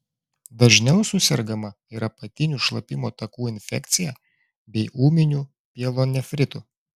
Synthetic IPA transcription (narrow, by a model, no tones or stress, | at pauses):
d̪ɐʒʲnʲɛʊsʊsʲɛɾɡɐmɐ | iːɾɐpɐt̪ʲɪnʲuːʃlˠɐpʲɪmoːt̪ɐkuːɪnʲfʲɛ̰kʲt̪sʲɪjɛ | bʲɛɪʔuːmʲɪnʲuː | pʲiɛlˠoːnʲɛfʲɾʲɪt̪u